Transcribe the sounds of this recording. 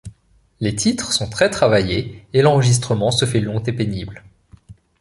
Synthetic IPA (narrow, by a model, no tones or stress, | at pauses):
let̪ʰit̪χsɔ̃t̪χɛt̪χavajeelɑ̃ʁəʒis̬t̪χəmɑ̃səfɛlɔ̃t̪epenibl